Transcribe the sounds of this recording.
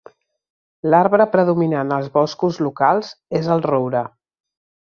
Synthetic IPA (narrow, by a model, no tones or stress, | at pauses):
laɾβɾəpɾəðuminanəlˠzβɔskuzlukalˠzezəlˠrowɾə